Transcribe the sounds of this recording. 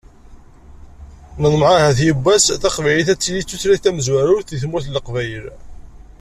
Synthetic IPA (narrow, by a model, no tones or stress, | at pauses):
nəðˤmʕahæθjəbːæsθɑqvæjliθæt͡sːjit͡sːuθɾiθæməzwæɾʊɾθiθmuθləqvæjəl